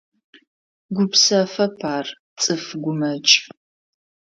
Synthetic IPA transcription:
ɡʷʊpsɐfɐpʰaːr | t͡sʼɨfɡʷʊmɐt͡ʃʼ

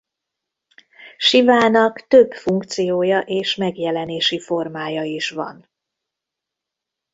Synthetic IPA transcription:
ʃivaːnɒkt̪ø̞bfuŋkt̪sijoːjɒʔeːʃmɛɡjɛlɛneːʃifo̞rmaːjɒiʃʋɒ̰n

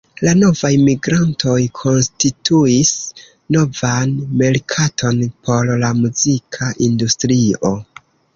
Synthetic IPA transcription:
lano̞vajmiɡɾantʰo̞jkʰo̞nstituis | no̞vanme̞ɾkʰatʰo̞npʰo̞ɾlamuzikʰaʔindustɾio̞̰

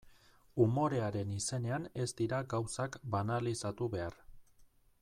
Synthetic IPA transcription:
umo̞ɾe̞aɾe̞nise̞ne̞ane̞zd̪iɾaɡawsakbanalisat̪uβe̞ar

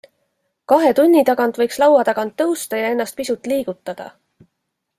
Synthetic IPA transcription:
kɑɦe̞t̪unʲːit̪ɑɡɑnd̪vɤ̞jkslɑwɑt̪ɑɡ̥ɑnt̪ːɤwst̪ɑjɑe̞nːɑst̪̚pisut̪ːˑliːɡ̥ut̪ˑːɑd̪̥ɑ̰

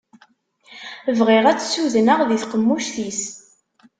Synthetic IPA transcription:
əvʁiʁæt͡sːsuðnəʁðiθqəmːuʃθis

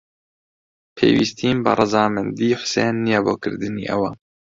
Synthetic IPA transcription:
pʰḛːwiːst̪ʰiːnbɨɾˤɑzɑːmɛnd̪iːħʊ̥seːnːijɑːboːkɨɾd̪ɨnḭːʔɛwa

